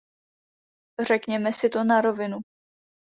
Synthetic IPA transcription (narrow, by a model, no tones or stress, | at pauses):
r̝ɛkɲɛmɛsɪt̪o̞naɾo̞vɪnu